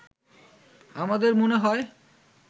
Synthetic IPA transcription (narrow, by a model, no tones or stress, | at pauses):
amad̪eɾmoneɦɔe